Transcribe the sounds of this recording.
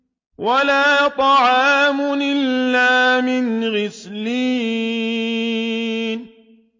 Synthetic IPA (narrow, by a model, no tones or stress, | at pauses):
walaːt̪ˤɑʕɑːmʊnɪlːaːmɪnɣɪsliː | n